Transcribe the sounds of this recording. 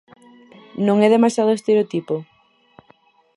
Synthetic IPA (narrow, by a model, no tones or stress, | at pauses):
nõŋɛðemasjaðoest̪eɾeot̪ipo